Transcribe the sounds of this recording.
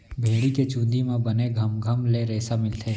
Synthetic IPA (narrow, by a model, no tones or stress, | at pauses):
bʱeːɽiket͡ʃũːnd̪imẽbɐneɡʱɐmɡʱəmleɾɛːsamɪlt̪ʰeː